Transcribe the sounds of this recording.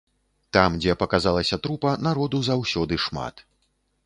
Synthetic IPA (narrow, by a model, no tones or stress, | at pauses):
t̪amd͡zʲɛpɐkazalˠɐsʲɐt̪ɾupɐnaɾɔd̪uzawsʲɔd̪ɨʂma̰t̪